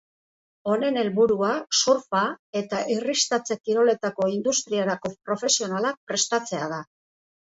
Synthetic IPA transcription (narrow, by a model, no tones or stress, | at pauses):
o̞ne̞ne̞lβuɾuasuɾfae̞t̪aʔirist̪at͡se̞kiɾo̞le̞t̪ako̞ind̪ust̪ɾiaɾako̞pɾo̞fe̞sio̞nalak̚pɾe̞st̪at͡se̞að̞a